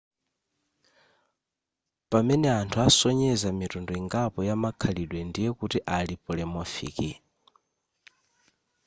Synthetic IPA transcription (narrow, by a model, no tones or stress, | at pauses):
pamɛnɛantʰuasɔɲɛzamitɔndɔiŋɡapɔjamakʰaliɗwɛndijɛkutiʔalipulɛmɔfḭːki